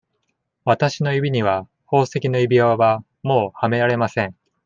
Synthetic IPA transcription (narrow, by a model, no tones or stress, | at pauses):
βat̪aɕino̞jibʲiɲ̟iβa | ho̞ːse̞kʲino̞ibʲiaββa | mo̞ːhame̞ɾaɾe̞masẽ̞ɴ